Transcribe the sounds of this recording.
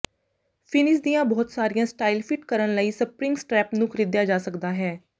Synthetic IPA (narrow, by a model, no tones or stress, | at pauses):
pʰɪnɪs̬d̪ijãːbɔːt̪saːɾijãːsʈaːilpʰɪʈkəɾənləiːsəpɾɪŋɡsʈɾɛːpnũːkʰəɾiːd̪jaːd͡ʒaːsəkd̪aːɦɛː